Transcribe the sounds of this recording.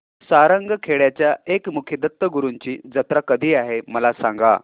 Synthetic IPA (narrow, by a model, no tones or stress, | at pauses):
saɾəŋɡkʰeɭjat͡ɕjaekmukʰed̪ət̪ːəɡuɾuɲt͡ɕiːd͡zət̪ɾakəd̪ʱiːaɦeməlasãŋɡa̰